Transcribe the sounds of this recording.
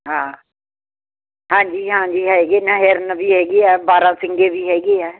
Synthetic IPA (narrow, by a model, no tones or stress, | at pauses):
ɦãː | ɦãːɲd͡ʒiːɦãːɲd͡ʒiːɦɛɡeːnãɦeɾnəbʱiːɦɛːɡeːɛːbaːɾãːsɪ̃ŋɡeːbiːɦɛːɡeːɛː